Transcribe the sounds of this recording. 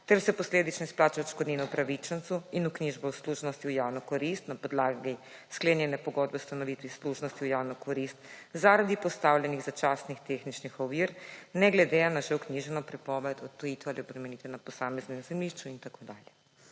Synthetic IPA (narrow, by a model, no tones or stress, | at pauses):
t̪ɛɾsɛpɔsleːd̪it͡ʃnɔisplaːt͡ʃɛʃkod̪nʲenɔupɾaʋit͡ʃɛnt̪suinukniʒbɛwsluʒnɔst̪iujaːwnɔkɔɾist̪napɔd̪laːɡi | skleːnjɛnɛpɔɡɔd̪bɛwust̪anɔʋit̪ʋisluʒnɔst̪iujaːwnɔkɔɾist̪zaɾad̪ipɔst̪awlʲɛniɣzat͡ʃaːsnixt̪exnit͡ʃnixɔʋiːɾnɛɡlɛd̪ɛanaʒɛwkniʒɛnɔpɾɛpɔʋɛt̪ɔt̪t̪ɔjit̪ʋɛaliɔbɾɛmɛnit̪ʋɛnapɔsamɛznɛmzɛmliʃt͡ʃuint̪akod̪aːljɛ